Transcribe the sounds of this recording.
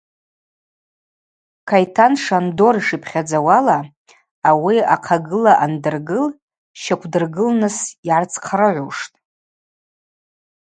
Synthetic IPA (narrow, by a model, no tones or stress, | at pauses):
kʰajtʰanʂando̞ɾiʂɨpʰχʲad͡zawalaː | wiaqʰaɡɨlaʔandɨrɡɨl | ʃakʷʰdɨrɡɨlnɨsiʕart͡sʰʼqʰaɾɨʕʷuʂtʼ